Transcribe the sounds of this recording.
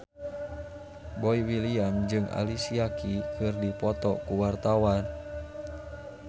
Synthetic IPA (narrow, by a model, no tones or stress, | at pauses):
boiwiliamd͡ʒɨŋʔa̰lisiakikɨrdipɔt̪ɔkuwart̪awan